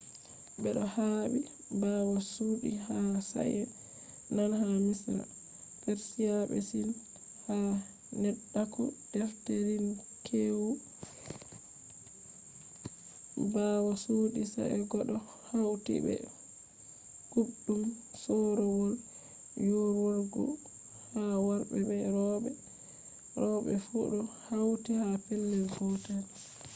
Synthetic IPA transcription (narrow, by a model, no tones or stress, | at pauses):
bɛɗɔhaːɓi | bawasuːɗihasa̰ʔɛ | nanhamisɾa̰ | feɾsijaɓɛ̰sin | ha | nɛɗːakud̥ɛfteɾin | kʰewu | baːwasuːɗisa̰ʔɛɡɔɗɔ | hawtḭbɛ̰ | ɡ̥uɗumsɔɾɔwɔl | joɾwɔɾɡɔ̰ | hawaɾbɛɓɛɾɔɓɛ | ɾɔɓɛ̰fuɗɔhawtihapɛlːɛlɡɔtan